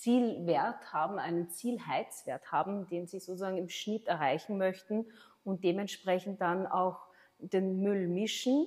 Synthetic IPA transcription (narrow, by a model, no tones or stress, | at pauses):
t͡siːlveːɐthaːbm̩æɪnənt͡siːlhaɪt͡sv̥eːɐthaːbm̩deːnziːzoːt͡suzaːɡŋɪmʃnɪtɛɐʁaɪçn̩mœçtn̩ | ʊnt̚d̥eːmɛntʃpʁ̥ɛçn̩t̚d̥ana̰ʊx | d̥eːnmʏlmɪʃn̩